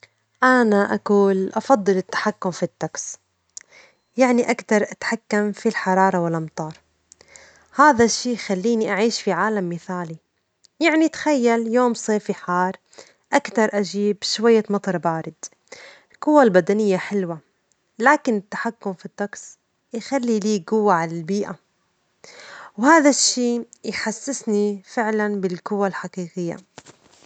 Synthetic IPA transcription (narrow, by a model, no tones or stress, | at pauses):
ʔanaʔakuːlʔɑfɑd̪ˤːɨlɪt̪ːḁħakːʊmfit̪ːaks | jaʕniʔakt̪ɑɾˤʔat̪ħakːamfilħɑɾˤɑːɾˤɑwɪlʔɑmt̪ˤɑːɾˤ | haːðaʃːiːxalːiːniʔaʕiːʃfiʕaːlamːɪθaːli | jaʕnit̪xajːaljoːmsˤeːfiħɑːɾˤ | ʔakt̪ɑɾˤʔaʒiːbʃwajːamɑt̪ˤɑɾˤbaːɾɪd̪ | ɪlɡʊwːalbad̪anɪjːaħɪlwa | laːkɪnɪt̪ːḁħakːʊmfit̪ˤːɑks | jxalːiliːɡʊwːaʕalalbiːʔa | whaːðaʃːiːjħasːɪsnifɪʕlanbɪlɡʊwːalħaqiːqɪjːa̰